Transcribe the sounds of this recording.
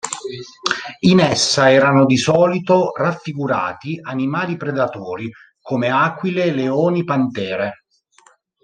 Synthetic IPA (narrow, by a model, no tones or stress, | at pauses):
inɛsːaɛːɾanod̪isɔːlit̪orafːiɡuɾa̰ːt̪ianimaːlipɾed̪at̪oːɾi | komeaːkwileleoːnipant̪ɛːɾe